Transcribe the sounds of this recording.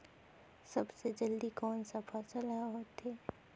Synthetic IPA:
sɐbsed͡ʒɐld̪ikɔːnsɐfʰat͡ʃɐlaɦoːt̪ɦeː

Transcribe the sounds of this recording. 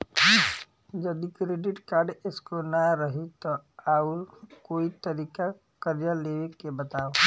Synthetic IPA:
d͡ʒɐd̪ikɾeːɖɪʈkaːɾɖɪskonaɾɐɦit̪oaːuɾkoːit̪ɐɾiːka | kəɾjaleːʋekːebɐt̪aːo

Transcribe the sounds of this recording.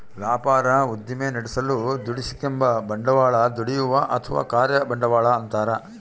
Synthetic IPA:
ʋaːpaːɾɐud̪jɐmeːnɐɽisɐlud̪uɽisi̥kembɐbɐɳɖɐʋaːɭɐd̪uɽijuʋɐʔɐt̪ʰɐʋa̰ːkaːɾjɐbɐɳɖɐʋaːɭɐːnt̪aːɾɐ

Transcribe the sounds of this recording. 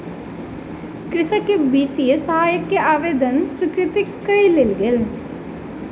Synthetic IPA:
kɾɪsakːebiːt̪iesɐɦaːjəkːeʔaːʋeːd̪ənsʊkɾɪt̪ikːəilelɡel

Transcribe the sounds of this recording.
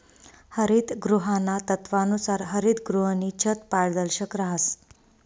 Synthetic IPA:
həɾid̪ɡɾuɦanːat̪ət̪ʋanusaɾɦəɾid̪ɡɾuɦənit͡ɕʰət̪paɽd̪əlɕəkɾaɦəs

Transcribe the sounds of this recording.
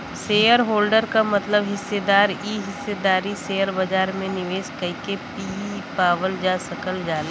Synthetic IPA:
seːjəɾɦoːlɖəɾkamɐt̪ləbɦɪsːed̪aːɾiːɦɪsːed̪aːɾiseːəɾbɐd͡ʒaːɾmẽnɪʋeːskɐikepiːpaːʋəld͡ʒaːsɐkəld͡ʒaːle

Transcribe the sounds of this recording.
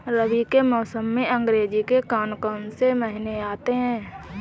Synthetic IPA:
ɾəbikemɔːsəmːẽə̃ŋɡɾeːd͡ʒikekaːnkənseməɦɪneaːt̪eɦɛ̃ː

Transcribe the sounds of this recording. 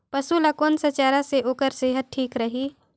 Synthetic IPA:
pəsulakoːnsɐt͡ʃaːɾaseʔoːkəɾseːɦət̪̚ʈʰiːkɾɐɦiː

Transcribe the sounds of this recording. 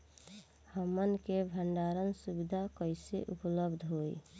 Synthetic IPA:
həmːənkebʱəɳɖaɾənsubid̪ʱakəɪsḛʔupləbd̪ʱɦoḭ

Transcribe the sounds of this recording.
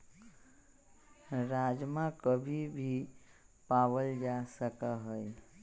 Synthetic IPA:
ɾad͡ʒmãkəbʱibʱi | pawəld͡ʒasəkaɦəj

